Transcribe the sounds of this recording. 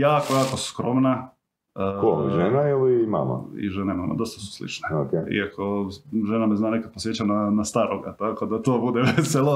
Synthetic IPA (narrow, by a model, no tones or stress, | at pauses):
jaːko̞jaːkoskɾo̞mna | əkoiʒenaɛlima̰ma̰ḭʒenemama̰d̪o̞st̪ḁsu̥slḭt͡ʃneokeḭakʰo̞ʒenameznaːnekad̪̚posjet͡ɕananast̪aːɾoɡa̰t̪akod̪at̪oːbud̪eʋeselo